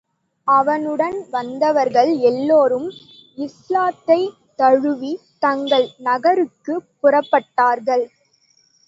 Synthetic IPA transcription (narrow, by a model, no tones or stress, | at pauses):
ɐʋɐnɯɽɐnʋɐnd̪ɐʋɐɾɣɐɭɛlːoːɾɯm | ɪslaːt̪ːɐɪ | t̪ɐɻɯʋi | t̪ɐŋɡɐɭnɐɣɐɾɯkːɯpːʊrɐpːɐʈːaːɾɣɐɭ